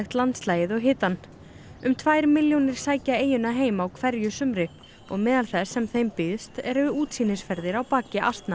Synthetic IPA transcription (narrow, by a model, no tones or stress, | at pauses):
ɪxt̪lant̪slaːjɪðɔɣɦɪːt̪an | ʏmt̪ʰvaːjɾmɪljownɪɾ̥saːjcaeːjʏnaɦeːjmaːwkʰvɛɾjʏsʏmɾɪk | ɔɣmɛːðalθɛsːɛmθejmpɪðst̪ɛɾvɪuːt̪siːnɪsfɛɾðɪɾawpaːcɪʔa̰st̪na